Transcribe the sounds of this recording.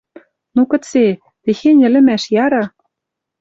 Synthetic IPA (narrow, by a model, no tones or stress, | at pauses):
nukɤ̆t͡se | texenʲɘ̆lɘ̆mæʃjɑɾɑ